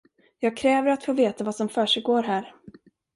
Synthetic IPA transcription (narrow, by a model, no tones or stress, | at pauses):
jɑːɡ̚kʰɾɛːvəɾat̪foːveːt̪avasɔmfœːʂɛjɡoːɾɦæːɾ